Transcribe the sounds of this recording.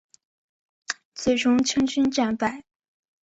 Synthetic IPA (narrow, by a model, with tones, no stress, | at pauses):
t͡swe˥˩ɪʈ͡ʂʊ˥ŋt͡ɕʰi˥ŋt͡ɕy˥nʈ͡ʂa˥˩npa˥˩˦ɪ